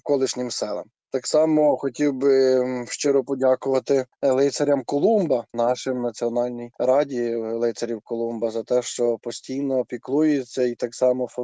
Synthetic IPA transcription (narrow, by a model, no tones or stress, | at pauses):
kɔlˠɪʃnʲɪmsɛlˠɐ̰m | t̪ɑksɑmɔxɔtʲiwbɪʃt͡ʃɪɾɔpɔdʲakʊʋɐt̪ɪlˠɪt̪sɐɾʲɐmkɔlˠumbɐnɑʃɪmnɐt͡sʲiɔnɑlʲnʲijɾɑdʲilˠɪt̪ɐɾʲiwkɔlˠumbɐzɐt̪ɛʃt͡ʃɔpɔsʲtʲijnɔpʲiklˠujet͡sʲːɐit̪ɑksɑmɔfɔ